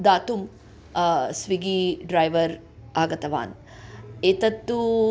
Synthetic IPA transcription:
d̪aːt̪um | sʋiɡiɖɾajʋɐɾ | aːɡɐt̪ɐʋa̰ːn | eːt̪ɐt̪ːu

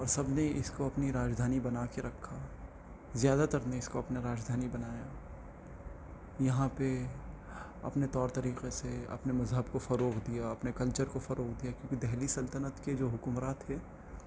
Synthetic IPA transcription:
ɔːɾsɐbneɪskoɐpniɾaːd͡ʒd̪ʱaːnibɐnaːkeɾɐkʰːa | zjaːd̪at̪ɐɾneɪskoɐpneɾaːd͡ʒd̪ʱaːnibɐnaːja | jɐɦãpe | ɐ̰pnet̪ɔːɾt̪ɐɾiːqeseɐ̰pnemɐzɦəbkofɐɾoːɡd̪ijaɐpnekɐlt͡ʃəɾkofɐɾoːɡd̪ijakjõːkid̪ɛɦlisɐlt̪ənət̪ked͡ʒoːɦʊkʊmɾaːt̪ɦɛː

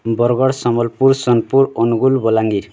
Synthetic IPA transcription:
bʌɾɡʌɽsʌmʌlpuɾsʌnpuɾonuɡulbɔlaŋɡi

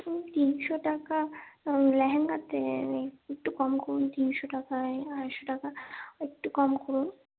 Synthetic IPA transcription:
t̪inʃoʈaka | lɛɦeŋɡat̪eek̚ʈukɔmkɔɾunt̪inʃoʈakaaʃoʈakaek̚ʈukɔmkɔɾun

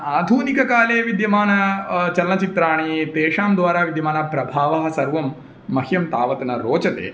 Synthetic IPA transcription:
aːd̪ʱuːnikɐkaːleːʋid̪jɐmaːnɐt͡ʃɐlnɐt͡ʃit̪ɾaːɳ̃it̪eːʂaːmd̪ʋaːɾaːʋid̪jɐmaːnɐpɾɐbʱaːʋɐɦɐsɐɾʋɐmː | ɐhjɐmt̪a̰ːʋɐt̪ɐnɐɾoːt͡ʃɐt̪ḛː

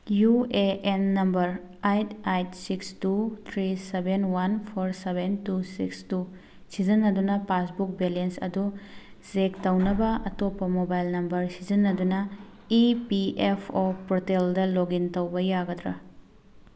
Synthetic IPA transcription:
jueʔenːɐmbɐɾ | ajtajtsikstut̪ʰɾisebʱenwanpʰoɾsebʱentusḭkstu | sizɐnːɐdunɐpasbuk̚belensɐ̰du | z̥ektɐwnɐbɐɐtopːɐmobajlnɐmbɐɾsizɐnːɐdunɐ | ipiepʰopɾoteldɐloɡintɐwbɐjaɡɐd̪ɾɐ

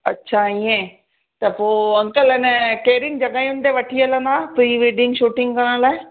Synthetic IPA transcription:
ɐtːɕʰaiẽː | t̪ɐpoːɐ̃ŋkəlɛnəkeːɾɪnd͡ʑɐɠaːijʊnt̪eʋɐʈʰiələ̃nd̪aːfɾiːʋeːɖɪ̃ŋɡʃuːʈɪ̃ŋɡkɐɽəɽ̃laːe

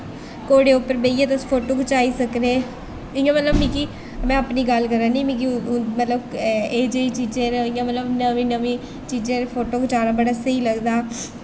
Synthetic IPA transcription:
koːɽeːʊpːəɾbeːiːãːt̪aspʰoːʈoːkʊt͡ʃaːiːsəkɾeː | ɪjãːmət̪ləbmĩːki | mɛ̃ːəpniːɡəlkəɾãːnĩːmĩːk̬imət̪ləbeːd͡ʒeiːt͡ʃiːd͡ʒẽːɾɪjãːmət̪ləbnəʋĩːnəʋĩː | t͡ʃiːd͡ʒẽːɾpʰoːʈoːkʊt͡ʃaːnaːbəɽaːsəiːləɡd̪aː

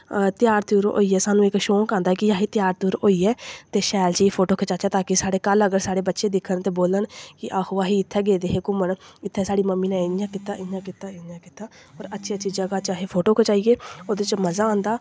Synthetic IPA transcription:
t̪ɪjaːɾt̪uːɾo̰ːiːɛːsaːnũːɪkʃoːkãːnd̪aːkɪjaːɦiːt̪ɪjaːɾt̪uːɾoːiːɛːt̪eːʃɛːlt͡ʃiːpʰoːʈoːkʰət͡ʃaːt͡ʃaːt̪aːkɪsaːɽeːkələɡəɾsaːɽeːbətːʃeːd̪ɪkʰːənt̪eːboːləɳkɪʔaːhoːʋaːɦiːɪt̪ʰːɛːɡeːd̪eːɦeːkʊməɳɪt̪ʰːɛːsaːɽiːməmːiːnɛ̃ːɪjãːkɪt̪aːʔɪjãːkɪt̪aːɪjãːkɪt̪aːɔːɾətːʃʰiəːʃiːd͡ʒəɡaːt͡ʃaːɦeːpʰoːʈoːkʰət͡ʃaːieːoːd̪et͡ʃməzaːãːnd̪aː

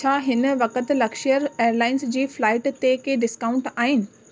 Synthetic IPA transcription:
t͡ɕʰaːɦɪn̆ʋɐkət̪lɐkʃijəɾeːəɾlaːɪnsd͡ʑiːflaːɪʈt̪ekeɖɪskaːʊ̃ɳʈaːɦɪnɪ̆

